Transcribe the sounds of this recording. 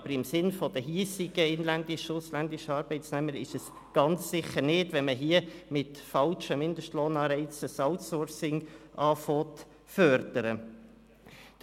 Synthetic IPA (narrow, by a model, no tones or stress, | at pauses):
ɑb̥əɾɪmsɪnfɔd̥̪əɦiːsɪɡəɪnlænd̪ɪʃʊslænd̪ɪʃəɑːɾbɛɪsnɛməɾɪʃəs | ɡ̥ɑnt͡ssɪχəɾnɪdʋɛnməɦiəmɪt̪fɑlʃəmɪnd̪əʃtloːnɑːɾɛɪt͡səsɑltsɔɾsɪŋʔɑːfɔːt̪ | fœɾd̥əɾə